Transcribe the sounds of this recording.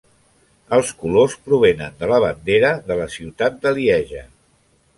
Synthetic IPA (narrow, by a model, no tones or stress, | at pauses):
əlˠskulospɾuβ̞enənd̪ələβ̞ənd̪eɾəðələsiwt̪at̪̚d̪əliɛʒə